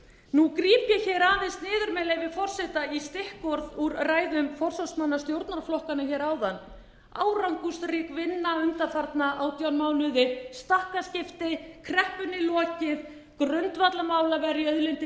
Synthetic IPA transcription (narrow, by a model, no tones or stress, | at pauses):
nukɾiːpjɛçɛːɾaːvɪst̪nɪːðʏɾmɛːlɛvɪfɔr̥sɛt̪aist̪ɪhkɔɾðuɾraːjðʏmfɔr̥sɔsmanːast̪jowɾt̪naɾflɔhkanʏçɛːɾaːwðanː | a̰ːwɾawŋkust̪rɪkvɪnːaʏnt̪afaɾt̪naʔawt̪jɔnmaːwnʏðɪst̪ahkascɪft̪ɪkʰɾɛhpʏnːɪlɔːcɪð | kɾœnt̪vat̪lamaːwlavɛɾiœðlɪnt̪ɪ